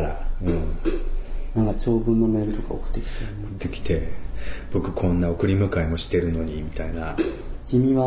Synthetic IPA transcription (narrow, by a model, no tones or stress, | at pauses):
ɾa̰ɯ̟̃ | nãŋkat͡ɕo̞ːbɯ̟̃nːo̞me̞ːɾɯ̟t̪okao̰kɯ̟̥t̪ːe̞kʲi̥t̪aonokɯt̪ːe̞kʲi̥t̪e̞b̥o̞kɯ̟kʰõ̞nːao̞kɯ̟ɾʲimɯ̟kaimo̞ɕi̥t̪e̞ɾɯ̟no̞ɲ̟imʲit̪aina | ɡʲimʲiβa